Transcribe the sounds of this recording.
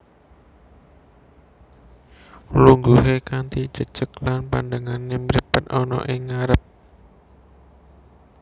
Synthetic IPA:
luŋɡuɦekant̪id̥ʒ̥ə̤d̥ʒ̥əklanpa̰ndaŋanːemɾipət̪ɔnɔ̰ʔɪŋːaɾəp̚

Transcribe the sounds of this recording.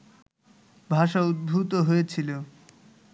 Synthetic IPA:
bʱaʃaud̪̚bʱut̪oɦoet͡ɕʰilo

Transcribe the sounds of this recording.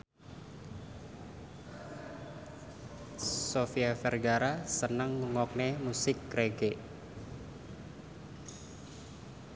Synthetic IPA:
sofiafɛrɡaɾasənəŋːəŋɔk̚nemusɪkːɾeɡe

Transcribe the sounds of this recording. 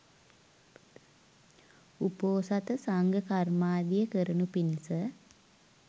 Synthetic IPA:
upoːsat̪əsaŋɡəkarmaːd̪ijəkəɾənupinisə

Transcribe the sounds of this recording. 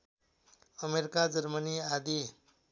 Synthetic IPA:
ʌmeɾikad͡zʌɾmʌniad̪i

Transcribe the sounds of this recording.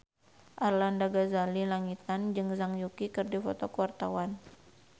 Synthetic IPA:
ʔarlandaɡazalilaŋit̪and͡ʒɨŋzaŋjukikɨrdifɔt̪ɔkuwart̪awan

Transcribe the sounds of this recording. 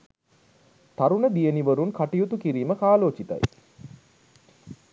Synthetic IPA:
t̪aɾunəd̪ijəniʋəɾunkaʈijut̪ukiɾiːməkaːloːt͡ʃit̪a̰j

